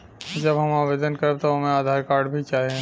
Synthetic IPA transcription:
d͡ʒɐbɦɐmaːʋeːd̪ənkɐɾeb̚t̪oɦɐmẽaːd̪ʱaːɾkaːɾɖbʱit͡ʃaːɦiɛ̃

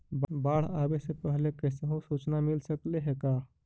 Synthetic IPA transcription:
bbaɽ̤abesepəɦlekəseɦõsut͡ʃnamilsəkleɦeka

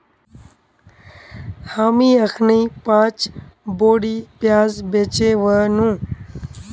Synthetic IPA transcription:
haːmiːəxʰniːpãːt͡ʃboːɽiːpjaːzbeːt͡ʃeːʋəːnũː

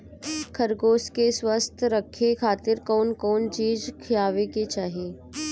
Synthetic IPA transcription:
kʰəɾɡoːskeswəst̪ʰɾəkʰːekʰaːt̪ɪɾkɔːnkɔːnt͡ʃiːd͡ʒkʰɪjaːʋeket͡ʃaːɦieː

